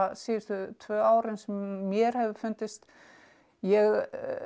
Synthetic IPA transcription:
asiːɪɾ̥t̪ʏt̪ʰvœːaːwɾɪnsɛmːjɛɾ̥hɛvɪ̥fʏnt̪ɪst̪ | jɛɣ

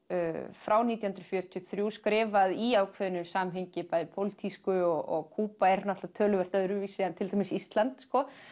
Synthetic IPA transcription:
fɾʔaːwniːt̪jahʏnɾʏ̥fjœːɾ̥t̪ʰjɔθɾjuskɾɪːvaðiaːwkʰvɛðʏnʏsaːmɦejɲcɪpajðɪpʰowlit̪ʰiskʏɔɣɔɣkʰuːpaɛɾnat̪lat̪ʰœːlʏvɛɾ̥t̪aðʏɾʏvisiant̪ʰɪlt̪ʰahmɪsist̪lant̪skɔ

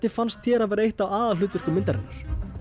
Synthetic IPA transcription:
t̪ɪfanst̪θçjɛːɾavɛːɾaejht̪awaːðalʏːt̪ʏr̥kʏmɪnt̪aɾɛnːaɾ̥

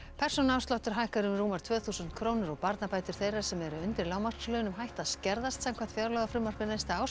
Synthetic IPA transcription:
pʰɛr̥sɔnawst̪lawht̪ʏɾ̥ɦajhkaɾʏmruːmaɾt̪ʰvœːθuːsʏnt̪kʰɾoːwnɪɾɔɣpaɾt̪napaːjt̪ʏɾ̥θejraɾ̥sɛmɛɾʏʏnt̪ɪɾlaːwmar̥t̪slœːjnʏmɦajht̪aðscɛɾðast̪samkʰvan̥t̪fjawɾlœɣafɾʏmar̥pɪnaɪst̪aaw

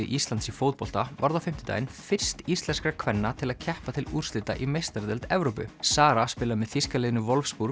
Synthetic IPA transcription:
ɪʔist̪lant̪sifowt̪̚pɔl̥t̪avaɾðawfɪm̥t̪ɪt̪a̰ːjnfɪr̥st̪ist̪lɛnskɾakʰvɛnːat̪ʰɪlaðcʰɛhpat̪ʰɪlur̥st̪ɪt̪a̰ʔimejst̪aɾðɛlt̪ɛvɾowpʏ̰saːɾaspɪːlamɛðfiskalɪːðnʏvɔlfspuːɾ

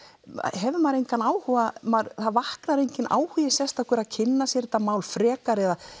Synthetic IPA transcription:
ɦɛvʏmaɾejŋkanaːwhuvamaɾθaðvahknaɾejɲcɪna̰ːwhʏːjɪsjɛst̪ḁkʰvɛɾaðcʰɪnːasjɛɾt̪amaːwlfɾɛːkaɾɛða

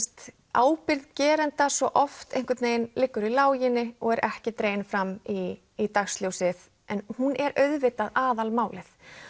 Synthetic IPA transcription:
st̪ | aːwpɪɾðcɛːɾɛnt̪asvɔʔɔft̪ejŋkvɪt̪neːjnlɪkːʏɾilaːwjɪnːɪɔɣɛɾʔɛhcɪt̪ɾeːjnfɾamiː | t̪axst̪ljowsɪð | ɛnhunɛɾœɥðvɪt̪aðaːðalmaːwlɪθ

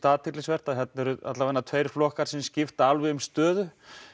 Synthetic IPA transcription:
t̪aːt̪ʰɪɾlɪsvɛr̥t̪aðɦɛt̪nɛɾʏa̰t̪lavanːat̪ʰveːjɾ̥flɔhkaɾ̥sɛmscɪft̪alvɪʏmst̪œːðʏ

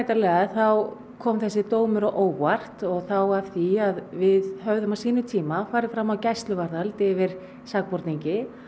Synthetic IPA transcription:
jt̪alɛːɣaðθaw | kʰɔːmθɛsːɪt̪oːwmʏɾɔʔoːwar̥t̪ɔɣθawḁθiaðvɪðɦœvðʏmasiːnʏt̪ʰiːmafaːɾɪfɾamːawcajst̪lʏvaɾðalt̪ɛvɪɾ̥ | sakpɔɾt̪niɲcɪ

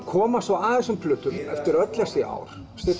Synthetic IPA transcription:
kʰɔːmasaaːðɛsʏmpʰlʏːt̪ʏmɛft̪ɪɾœt̪lɛsɪʔa̰ːwɾ̥ | st̪ɪ

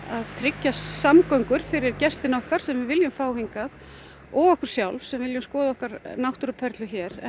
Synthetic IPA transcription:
aðt̪ʰɾɪcːasamkœŋkʏɾ̥fɪɾɪɾcɛst̪ɪnɔhkaɾ̥sɛmvɪðvɪljʏmfaːwɦiŋkað | ɔɣɔhkʏɾ̥sjawlvsɛmvɪljʏmskɔːðaɔhkaɾnawht̪ɾʏpʰɛɾt̪lʏçɛːɾɛ

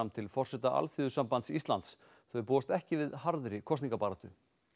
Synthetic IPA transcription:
amt̪ʰɪlfɔr̥sɛt̪aʔa̰lθʏðʏsampant̪sist̪lant̪s | θœpuːast̪ɛhcɪvɪðhaɾðɾɪkʰɔst̪iŋkapaːɾat̪ʏ

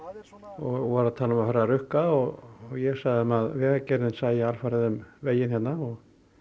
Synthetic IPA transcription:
ɔɣvɔɾaðt̪ʰaːlʏmaðhœɾarʏhkaɔɣɔɣjɛɣsaɣðɪmaðvɛːɣacɛɾðɪnsaːjɪalfaɾɪðʏmveːjɪnhɛt̪nːaɔɣ

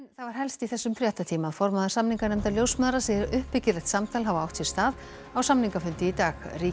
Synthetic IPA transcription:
nθavaɾ̥ɦɛlst̪iθɛsːʏmfɾjaht̪at̪ʰiːmaðfɔɾmaðaɾ̥samniŋkanɛmt̪aljowsmœðɾasɛɾʏhpːɪcɪɾɛht̪samt̪ʰaːlɦavaawht̪sɛ̥st̪aːð | awsamniŋkafʏnt̪ɪit̪aːɣriː

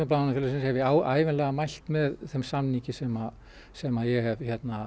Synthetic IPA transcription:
ʏp̬laanʏfɪɾlsɪnshɛvɪaaːjvɪnlɛːɣamajl̥t̪mɛðθɛmsamnicɪsɛma | sɛmaðjɛhɛvçɛt̪na

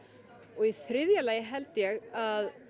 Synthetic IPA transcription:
ɔɣiθɾɪðjalaːjɪɦɛlt̪ɪjɛɣað

